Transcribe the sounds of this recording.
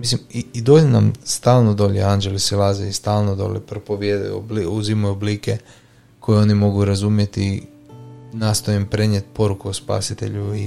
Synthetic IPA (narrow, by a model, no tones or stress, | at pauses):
mislimiid̪oʎena̰mst̪aːlˠnod̪o̞ʎeand͡ʒe̞lisilazeist̪aːlˠnod̪o̰ʎḛpɾopoʋjed̪̰jṵbliuzimajublike | kʰo̞jeo̞nimo̞ɡuɾazumje̞t̪i | naːst̪o̞jempɾe̞ɲjet̪̚po̞ɾukuospa̰sit̪e̞̰ʎui